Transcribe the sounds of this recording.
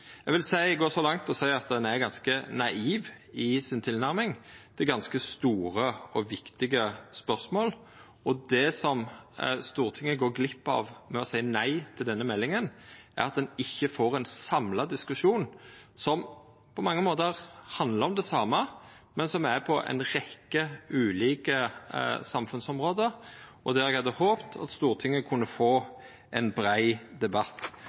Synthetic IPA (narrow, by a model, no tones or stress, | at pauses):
ɛɡʋɪlsæɪɡoːsɔlɑŋt̪ɔsæɪɑt̪̚d̪ɛnæɾɡɑnskənɑiːʋɪsɪnt̪ʰɪlnæɾmɪŋd̪̥ɛɡɑnskəst̪uːɾəɔʋɪkt̪ɪɡəspœsmoːl | ɔd̪ɛsɔmst̪uːɾt̪ʰɪŋːəɡoːɾɡlɪpːɑ̰ːʋmɛɔsæɪnæɪt̪ʰɪld̪ɛnːəmɛlːɪŋənʔæ̰ɾɑt̪̚d̪ɛnɪçːəfoːɾɛnsɑmlɑd̪ɪskʉʂuːnsɔm | pʰɔmɑŋːəmoːt̪əʁhɑnd̪ləɾɔmd̪ɛsɑːmːə | mɛnsɔmæɾpʰɔʔɛ̰ɪnɾɛkːəʉːliːkəsɑmfʉnsɔmʁoːd̪əʔɔd̪æɾɛɡhɑd̪ːəhoːpt̪ʰɑ̰t̪st̪uːɾt̪ʰɪŋːəkʰʊnːəfoː | ʔɛnbɾæɪd̪ɛbɑt̪ː